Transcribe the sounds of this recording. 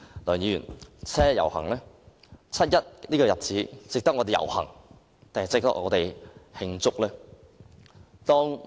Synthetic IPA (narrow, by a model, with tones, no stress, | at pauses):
lœː˨˩njiː˨˧jyː˨˩nt͡sʰɛː˥jɐ̰˨˩whɐ̰˨˩ŋlɛː˥ | t͡sʰɐ˥t̚jɐ˥t̚liː˥kɔː˧jɐ˨t̚t͡siː˨˥t͡sɪ˨k̚t̪ɐ˥k̚ɔː˧t̪e˨jɐ̰˨˩whɐ̰˨˩ŋ | t̪a˨ŋɐ˨jt͡sɪ˨k̚t̪ɐ̰˥k̚ʔŋɔ̰ː˨˧t̪e˨jhɪ˧ŋt͡sʊ˥k̚lɛː˥ | t̪ɔː˥ŋ